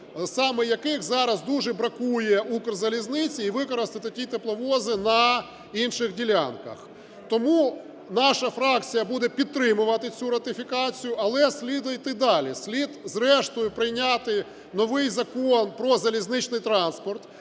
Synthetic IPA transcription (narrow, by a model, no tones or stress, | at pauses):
sɑmɛjɐkɪxzɑɾɐzd̪uʒɛbɾɐkujɛukrzɐlʲiznɪt͡sʲiːʋɪkɔɾɐst̪ɪt̪ɪtʲit̪eplˠɔʋɔzɪnɐ | inʃɪɣdʲilʲa̰nkɐ̰x | t̪ɔmu | nɑʃɐfɾɑkt͡sʲijɐbud̪ɛpʲid̪̚t̪ːɾɪmʊʋɐt̪ɪt͡sʲuɾɐt̪ɪfʲikɑt͡sʲijʊʔɐlˠɛsʲlʲid̪ʊjt̪ɪd̪ɑlʲisʲlʲid̪zɾɛʃt̪ɔjʊpɾɪjnʲat̪ɪ | nɔʋɪjzɐkonpɾɔzɐlʲiznɪt͡ʃnɪjt̪ɾɑnspɔrt̪